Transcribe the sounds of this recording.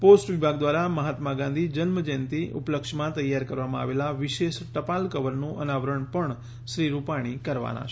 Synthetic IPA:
posʈʋɪbʱaɡd̪ʋaɾaməɦat̪maɡãnd̪ʱid͡ʒənməd͡ʒent̪iʔʊ̰pləkʃmãt̪əjːaɾkəɾʋamãa̰ʋelaʋɪʃeʃʈəpalkəʋəɾnũʔənaʋɾəɳpəɳ | ʃɾiɾupaɽ̃ikəɾʋa̰na̰t͡ʃʰ

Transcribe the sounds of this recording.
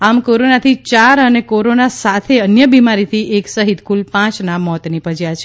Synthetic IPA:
amkoɾonat̪ʰit͡ʃaɾənekoɾonasat̪ʰeənjəbimaɾit̪ʰiʔeksəɦit̪kulpãt͡ʃnamɔt̪nipəd͡ʒjat͡ʃʰe

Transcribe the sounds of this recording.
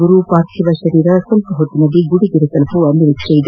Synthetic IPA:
ɡuɾupaːt̪ʃʰiʋɐʃɐɾiːɾɐsɐlpɐɦot̪ːinɐliɡuɽiɡ̪iɾut̪ɐlɐpuɐnːiʋikʂɐid̪

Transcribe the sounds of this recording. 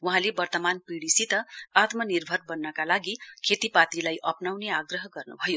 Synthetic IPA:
wuɦãlebʌrt̪ʌmanpiɽisit̪ʌat̪mʌnirbʱʌrbʌnːʌkalaɡikʰet̪ipat̪ilajʔʌpnawneaɡrʌɦʌɡʌrnṵbʱʌjo

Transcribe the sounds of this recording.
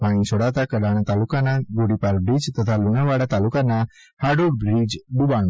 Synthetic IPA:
paɽ̃ĩsʰoɽat̪akəɽaɽ̃ãt̪alukanaɡoɽipaɾbɾid͡ʒt̪ət̪ʰalunaʋaɽat̪alukanːa | haɖoɽbɾid͡ʒɖubaɳ̃

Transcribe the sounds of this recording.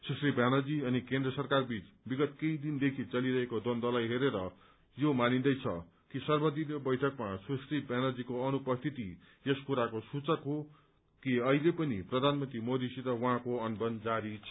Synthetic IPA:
susribjanʌd͡ziʌnikend̪rʌsʌrkarbit͡s | biɡʌt̪keid̪ind̪ekʰit͡sʌliɾʌɦekod̪ond̪ʌlajɦeɾeɾʌ | jomanind̪ʌjt͡sʰʌ̰ | kisʌrbʌd̪inobʌjʈʰʌkmasusribjanʌd͡zikoʌnupʌst̪ʰit̪i | jeskuɾakosut͡sʌkɦo | kiʌɦilepʌniprʌd̪ʱanmʌnt̪rimod̪isiɾʌwʌɦãkoʌnbʌnd͡zaɾit͡sʰʌ

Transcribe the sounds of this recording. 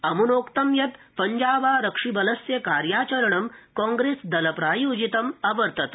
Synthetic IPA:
ɐmunoːkt̪ɐmjɐt̪ | pɐɲd͡ʑaːbaːɾɐkʂibɐləsjɐkaːɾjaːt͡ɕɐɾɳɐmkɔ̃ŋɡɾesd̪ɐləpɾaːjuːd͡ʑit̪ɐmɐbəɾt̪ɐt̪

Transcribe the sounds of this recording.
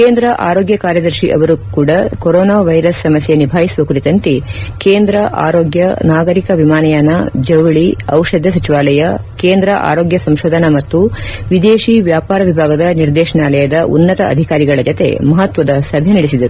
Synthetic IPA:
keːnd̪ɾɐʔa̰ːɾoːɡjɐkaːɾjɐd̪ɐɾʃiʔɐ̰ʋɐɾukuːɽɐkoɾɔːnaːʋɐjɾɐsːɐmɐsjenibʱaːjisuʋɐkuɾit̪ɐnt̪ekeːnd̪ɾɐʔa̰ːɾoːɡjɐnaːɡɐɾikɐʋimaːnɐjaːnːɐd͡ʒɐwɭiɐwʂɐd̪ʱjɐsɐt͡ʃiʋaːlɐjɐkeːnd̪ɾɐʔa̰ːɾoːɡjɐsɐmʃoːd̪ʱɐnɐmɐt̪ːuʋid̪eːʃiʋjaːpaːɾɐʋibʱaːɡɐd̪ɐniɾd̪ɛːʃɐɳaːlɐjɐd̪ɐʔṵnːɐt̪ɐɐ̰d̪ʱikaːɾiɡɐɭɐd͡ʒot̪ḛmɐɦɐt̪ʋɐd̪ɐsɐbʱjɐnɐɽisid̪ɐɾu

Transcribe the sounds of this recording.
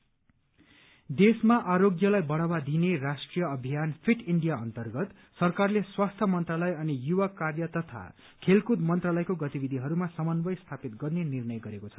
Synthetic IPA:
d̪esmaʔaɾoɡjʌlajbʌɽawad̪ineɾasʈrijʌʌbʱijanpʰiʈiɳɖijaʌnt̪ʌrɡʌt̪ | sʌrkarleswast̪ʰʌmʌnt̪ralʌjʌnijuwakarjʌt̪ʌt̪ʰa̰ | kʰelkud̪mʌnt̪ralʌjkoɡʌt̪ibid̪ʱiɦʌɾumasʌmʌnbʌjst̪ʰapit̪̚ɡʌrnenirnʌjɡʌɾekot͡sʰʌ̥

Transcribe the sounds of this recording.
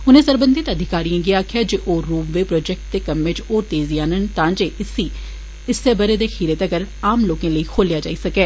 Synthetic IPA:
ʊnẽːsəɾbənd̪ɪt̪əd̪ʱɪkaːɾijãːɡɪaːkʰɪjaːd͡ʒeːʔoːɾuːmʋeːpɾɔːd͡ʒɛk̚ʈ̚t̪eːkəmːet͡ʃoːt̪eːziːaːnənt̪ãːd͡ʒeːɪsiː | ɪsːeːbəɾeːd̪eːxʰiːɾet̪əɡəɾaːmloːkãːləiːkʰoːljaːd͡ʒa̰ːiːsəkɛː

